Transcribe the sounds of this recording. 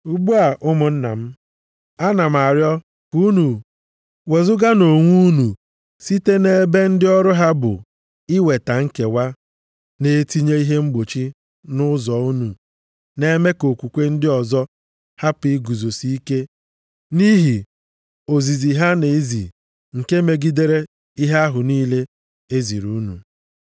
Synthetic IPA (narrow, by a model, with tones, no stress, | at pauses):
u˦ɡ͡bu˦a˨ʔʊ˦mʊ˨n̩˦na̰˨m̩˦ | a˦na˨m˨a˨ɾjɔ˦ | ku˦nu˨ | we˨zʊ˦ɡa˦no˨ŋʷu˦nu˨ | si˦te˦ne˦be˦n̩˦dɪ˦ɔ˦ɾʊ˦ɦa˦bʊ̰˨ | ɪ˦we˨ta˨ŋ̩˦ke˨wa˦ | ne˨˦ti˦ɲe˦i˦ɦe˦ŋ͡m̩˦ɡ͡bo˨t͡ʃi˦ | nʊ˦zɔ˨u˦nu˨ | ne˦me˦ko˨kʷu˨kʷe˦n̩˦dɪ˦ɔ˨zɔ˦ | ha˦pi˨˦ɡu˨zo˨si˦i˦ke˦ | ni˦ɦi˨ | o˨zi˨zi˨ɦa˦ne˨˦zḭ˨ | ŋ̩˨ke˦me˨ɡi˦de˦ɾe˦ | i˦ɦa˦a˦ɦʊ˨niː˦le˦ | e˦zḭ˨ɾu˦nṵ˨